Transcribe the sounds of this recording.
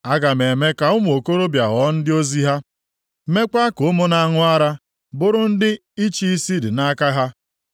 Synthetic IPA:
a˦ɡa˨me˨me˦ka˨ʊ˦m˨o˨ko˦ɾo˦bja˨ɣɔ˨˦n̩˦dɪ˦o˦zi˦ɦa˦ | me˦ka˦kʊ˨ʊ˦mʊ˦na˨˦ŋʊ˦a˦ɾa˦ | bʊ˦ɾʊ˦n̩˦dɪ˦ | i˦t͡ʃi˦i˦si˦dɪ˨na˦ka˦ɦa˦

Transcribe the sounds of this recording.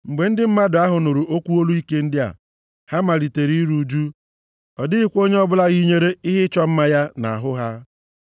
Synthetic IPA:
ŋ͡m̩˨ɡ͡be˨n̩˦dɪ˦m̩˦ma˦dʊ˨˦a˦ɦʊ˨no˨ɾu˨ʔo˦kʷu˦o˦lu˦i˦ke˦n̩˦dɪ˦a̰˨ | ha˦ma˨ɾi˨te˨ɾi˦i˦ɾu˨d͡ʒu˦ | ɔ˨dɪ˦ɪ˦kʷo˦ɲe˦ɔ˦bʊ˦la˦ɣi˦ɲe˦ɾe˦ɪ˦ɦɪ˦t͡ʃɔ˦m̩˦ma˦ja˦na̰˨a˨ɦʊ˦ɦa˦

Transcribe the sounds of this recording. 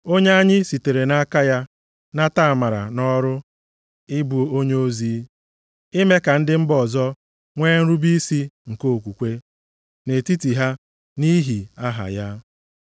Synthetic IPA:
o˦ɲe˦a˦ɲɪ˦si˨te˨ɾe˨na˦ka˦ja˦ | na˦ta˦˨ma˨ɾa̰˨nɔ˦ɾʊ˦ | ɪ˦bu˨o˦o˦ɲe˦o˦ziː˦ | ɪ˦me˦ka˨n̩˦dɪ˦m̩˦bɔ˨zɔ˦ | ŋʷeː˦n̩˦ɾu˦bi˦si˦ŋ̩˨ko˦o˨kʷu˨kʷe˦ | ne˨ti˦ti˨ɦa˦ | ni˦ɦi˨a˦ɦa̰˨ja˦

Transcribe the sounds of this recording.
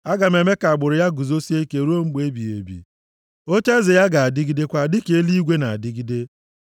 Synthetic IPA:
a˦ɡa˨me˨me˦ka˨a˨ɡ͡bʊ˨ɾʊ˨ja˦ɡu˨zo˦si˦e˦ke˨˦ɾu˦o˦ŋ͡m̩˦ɡ͡be˦bi˨ḛ˨bḭ˨ | o˦t͡ʃe˦zɪ˨ja˦ɡa˨a˨dɪ˦ɡi˦de˦kʷa˦˨dɪ˦ke˦li˦i˦ɡʷe˦na˨a˨dɪ˦ɡi˦de˦

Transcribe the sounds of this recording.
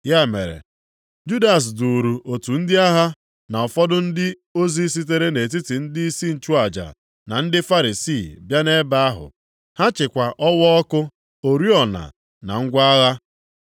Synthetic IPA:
ja˦˨mḛ˨ɾḛ˨ | d͡ʒu˦da˨s̬du˨ɾu˨ʔo˨tu˨n̩˦dɪ˦a˦ɦa˦ | na˨ɔ˨fɔ˦dʊ˦n̩˦dɪ˦ | o˦zi˦s̬i˦t̬e˦ɾe˦ne˨t̬i˦tɪ˨n̩˦di˦i˦si˦n̩˨t͡ʃu˦a˨d͡ʒa̰˨ | na˨n̩˦dɪ˦fa˦ɾi˨si˦˨bja˦ne˦ba˦a˦ɦʊ̰˨ | ha˦t͡ʃɪ˨kʷa˨ʔɔ˦wɔ˦ɔ˦kʊ˦ | o˨ɾi˦ɔ˨na̰˨ | na̰˨ŋ̩˦ɡʷa˦a˦ɣa˦

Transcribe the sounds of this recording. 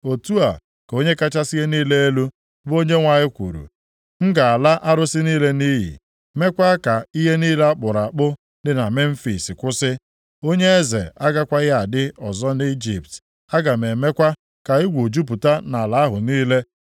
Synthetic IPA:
o˨tu˦a˨ | ko˦ɲe˦ka˦t͡ʃa˦si˦ɦe˦niː˦le˦e˦lu˦ | bo˦ɲe˦ŋʷa˨ɲɪ˦kʷṵ˨ɾṵ˨ | ŋ̩˦ɡa˨a˨la˦ʔa˦ɾʊ˦sɪ˦niː˦le˦niː˦ɦḭ˨ | me˦kʷa˦ka˨i˦ɦe˦niː˦le˦a˦k͡pʊ˨ɾa˨k͡pʊ˦ | dɪ˦na˨me˦m̩˦fḭ˨sɪ˨kʷʊ˦sɪ˦ | o˦ɲe˦e˦zḛ˨a˦ɡa˦kʷa˦ja˨dɪ˦ɔ˨zɔ˦ni˦d͡ʒḭ˨p̚t | a˦ɡa˨me˨me˦kʷa˦ | ka˨i˦ɡʷo˨d͡ʒu˦p̬u˨ta˦na˨la˨˦ɦʊ˨niː˦le˦

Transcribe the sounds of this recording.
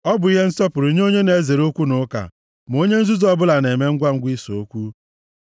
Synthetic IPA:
ɔ˦bʊ˨i˦ɦe˦n̩˦sɔ˦pʊ˨ɾʊ˨ɲ˦o˦ɲe˦ne˨˦ze˨ɾo˦kʷu˦nʊ˨˦ka̰˨ | m˨o˦ɲe˦n̩˦zu˦zɔ˦bʊ˦la˨ne˨me˦ŋ̩˦ɡʷa˦ŋ̩˦ɡʷi˦so˨o˦kʷu˦

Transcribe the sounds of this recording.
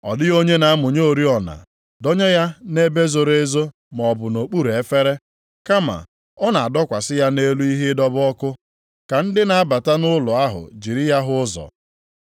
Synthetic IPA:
ɔ̰˨dɪ˦o˦ɲe˦na˨a˦mʊ˨ɲo˦o˨ɾi˦ɔ˨na̰˨ | dɔ˦ɲe˦ja˦ne˦be˦zo˨ɾe˦zo˦ | m˨ɔ˨bʊ˨no˨k͡pu˦ɾe˦fe˦ɾe˦ | ka˦ma̰˨ | ɔ˦na˨a˨dɔ˦kʷa˨sɪ˦ja˦ne˦lu˦i˦ɦɪ˦dɔ˦bɔ˦kʊ˦ | ka˨n̩˦dɪ˦na˨a˦ba˨ta˦nʊ˦lʊ˨a˦ɦʊ̰˨d͡ʒi˨ɾi˦ja˦ɦʊ˦zɔ̰˨

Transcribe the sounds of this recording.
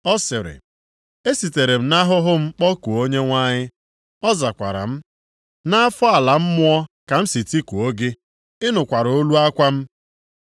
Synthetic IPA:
ɔ˦sɪ˨ɾɪ̰˨ | e˦si˨te˨ɾe˨m̩˦na˦ɦʊ˦ɦʊ˦m̩˦k͡pɔ˦ku˨o˦ɲe˦ŋʷa˦ɲɪ˦ | ɔ˦za˨kʷa̰˨ɾa̰˨m̩˦ | na˦a˦fɔ˦a˨la˨m̩˦mʊ˦ɔ˦ka˨m̩˦si˨ti˦ku˨o˦ɡe˦ | ɪ˦nʊ˨kʷa˨ɾo˦lu˦a˦kʷa˦m̩˦

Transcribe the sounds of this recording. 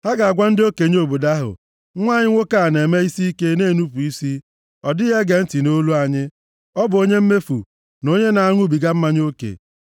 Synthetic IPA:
ha˦ɡa˨a˨ɡʷa˦n̩˦dɪ˦o˦ke˨ɲ˦o˨bo˨da˦ɦʊ̰˨˦ | ŋʷa˦˨ɲɪ˦ŋʷo˦ka˦˨ne˨me˦i˦si˦i˦ke˦neː˦˨nu˦p̬u˨i˦si˦ | ɔ˨dɪ˦ɣe˦ɡe˨n̩˦ti˨no˦lu˦a˨ɲɪ˦ | ɔ˦bʊ˨o˦ɲe˦m̩˦me˦fṵ˨ | no˦ɲe˦na˨a˦˨ŋʷʊ˦bi˨ɡa˦m̩˦ma˦ɲ˦o˦kḛ˨

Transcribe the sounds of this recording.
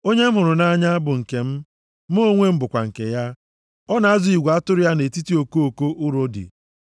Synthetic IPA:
o˦ɲe˦m̩˦ɦʊ˨ɾʊ˨na˦ɲa˦a˦bʊ˨ŋ̩˨ke˨m̩˦ | mo˦ŋʷe˦m̩˦bʊ˨kʷa̰˨ŋ̩˨ke˨ja˦ | ɔ˦na˨a˦zʊ˨i˨ɡʷa˦tʊ˦ɾʊ˦ja˦ne˨ti˦ti˦o˨ko˦o˨ko˦ʔʊ˦ɾo˦dɪ̰˨

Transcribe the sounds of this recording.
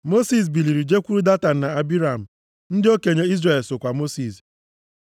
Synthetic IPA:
mo˦si˨s̬bi˨li˨ɾi˨d͡ʒe˦kʷu˦ɾu˦da˦ta˨n̩˨na˨a˦bi˦ɾa˨m̩˨ | n̩˦dɪ˦o˦ke˨ɲe˦i˦zra˨e˨lso˨kʷa˨mo˦si˨s

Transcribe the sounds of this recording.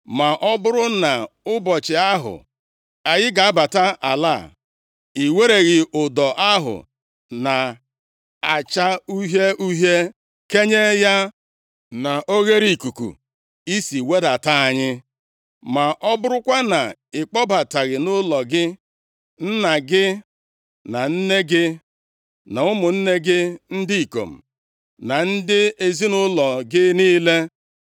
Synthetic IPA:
ma˨ʔɔ˦bʊ˦ɾʊ˦na˨ʊ˦bɔ˨t͡ʃɪ˨a˦ɦʊ̰˨ | a˨ɣɪ˦ɡa˨a˦ba˨ta˦ʔa˨la̰˦˨ | i˨we˦ɾe˨ɣɪ˨ʔʊ˨dɔ˨ʔa˦ɦʊ̰˨ | na˨ | a˨t͡ʃa˦u˦ɦe˦ʔu˦ɦe˦ | ke˦ɲe˦ja˦ | na˨ʔo˦ɣe˦ɾi˨ku˨kṵ˨ | i˦si˨we˦da˨ta˦a˨ɲɪ˦ | ma˨ʔɔ˦bʊ˦ɾʊ˦kʷa˦na˨ɪ˨k͡pɔ˦ba˨ta˨ɣɪ˨nʊ˦lɔ˨ɡɪ˦ | n̩˦na˨ɡɪ˦ | na˨n̩˦ne˦ɡɪ˦ | na˨ʊ˦mʊ˨n̩˦ne˦ɡɪ˦n̩˦dɪ˦i˨ko̰˨m̩˨ | na˨n̩˦dɪ˦e˨zi˦nʊ˦lɔ˨ɡɪ˦niː˦le˦

